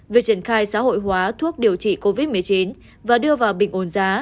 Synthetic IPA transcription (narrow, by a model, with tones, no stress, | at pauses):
vi˨˩ək̚t͡ɕi˧˩ənxaː˧jsa̰ː˧˥ho̰˧˨jɦwaː˨˦t̪ʰu˦˥ək̚ɗi˨˩əwt͡ɕḭ˧˨ko˧vi˦˥t̚mɨ˨˩əjt͡ɕi˨˦n | vaː˨˩ɗɨ˧əvaː˨˩wɓï˨˩ŋ̟ʔo˨˦nzaː˨˦